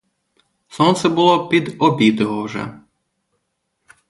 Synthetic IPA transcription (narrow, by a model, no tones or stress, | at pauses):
sɔnt̪sɛbʊlˠɔpʲid̪ɔbʲid̪ɔɦɔwʒɛ̰